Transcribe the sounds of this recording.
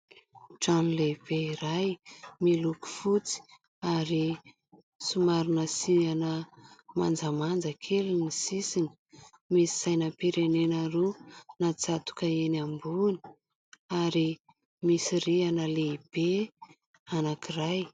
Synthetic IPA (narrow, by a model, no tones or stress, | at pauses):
ʈ͡ʂanileib̥eiɾajmiluku̥fut͡si̥ | aɾi | sumaɾunəsianəma̰nd͡zəmand͡zəkʰelunisisinə̥ | misi̥sajnəpiɾenenaɾonat͡sat̪u̥kəenambuni̥ | aɾi | misirianəleib̥e | anakiraj